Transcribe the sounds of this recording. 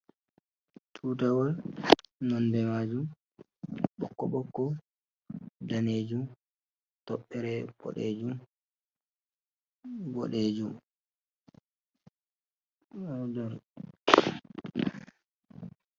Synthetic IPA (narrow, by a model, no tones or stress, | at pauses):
tʰuːtawɔlnɔnbɛmad͡ʒum | ɓɔ̰kːɔɓɔkːɔ | daneːd͡ʒum | tɔɓːɛɾɛb̥ɔ̰ɗḛd͡ʒum | ɡɔ̰ɗed͡ʒum | dɔɾ